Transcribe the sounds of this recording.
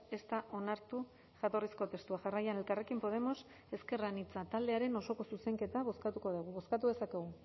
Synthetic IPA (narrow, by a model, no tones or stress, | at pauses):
e̞st̪aʔo̞naɾt̪u | ʝat̪o̞risko̞t̪e̞st̪uaʝarajane̞lkare̞kimpo̞ð̞e̞mo̞s | e̞ske̞ranit͡sat̪ald̪e̞aɾe̞no̞so̞ko̞suseŋke̞t̪aβo̞skat̪uko̞ðeɣuβo̞skat̪uðe̞sake̞ɣ̞u